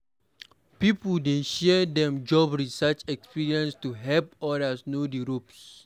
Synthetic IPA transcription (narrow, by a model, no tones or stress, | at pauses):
pipudẽʃɛdɛ̃md͡ʒɔbɹisat͡ʃɛkspiɹiɛ̃nstuɦɛlpɔɾasnodiɹops